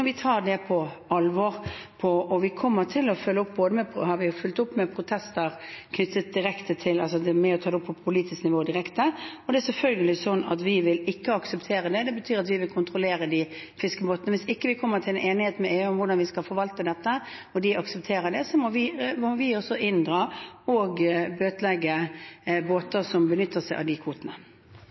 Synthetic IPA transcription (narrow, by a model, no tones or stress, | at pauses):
ɔɾʋɪt̪ʰɑːɾɖɛpʰɔ | ɑlʋɔɾpʰɔɔʋɪkʰɔmːəʈ̪ʰɪlɔfʏlːəʊp̚ːboːd̪əmɛpʰhɑɾʋɪfʉlt̪ʊpːmɛpʰɾʊt̪ʰɛst̪əɾkʰnʏt̪ːət̪̚d̪ɪɾɛkt̪ət̪ʰɪlɑls̬ɔd̪ɛmɛɔt̪ʰɑːd̪ɛʊpʰːɔppʰʊliːt̪ɪsknɪʋoːd̪ɪɾɛkt̪əɔd̪ɛæɾsɛlfœlɡəlɪsɔnːɑ̰t̪ʋɪʋɪlɪkːəɑksəpt̪ʰeːɾəd̪ɛd̪ɛbət̪ʰyːɾɑt̪ʋɪʋɪlkʰʊnt̪ɾʊleːɾəd̪ɪfɪskəboːt̪ənəʋɪsɪkːəʋɪkʰɔmːət̪ʰɪlɛnʔeːnɪheːt̪mɛeːʉːʊmʋʊʁɖɑnʋɪskɑlfɔɾʋɑlt̪əd̪ɛt̪ːə | ɔd̪ɪɑksəp̚t̪ʰeːɾəd̪ɛsɔmɔʋɪmɔʋɪɔsːɔɪnd̪ʁɑːɔɡbøːt̪lɛɡːəboːt̪əsɔmbənʏt̪ːəsæɪʔɑ̰d̪ɪkʰʋuːt̪ənə